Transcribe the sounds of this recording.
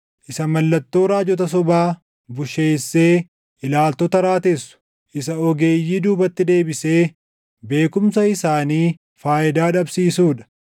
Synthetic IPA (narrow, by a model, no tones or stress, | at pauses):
ʔɪsɐmɐlːɐt̪ːo̞ːɾaːd͡ʒɔt̪̬ɐs̬ɔbaː | bʊʃe̞ːsːe̞ː | ʔɪlaːlt̪ɔt̪ɐɾaːt̪esːʊ̥ | ʔɪsɐɔɡe̞ːjːiːd̪uːbɐt̪ːɪd̪e̞ːbɪse̞ː | be̞ːkʊmsɐɪsaːniː | faːʔɪd̪aːᶑɐbsiːsuːᶑɐ̥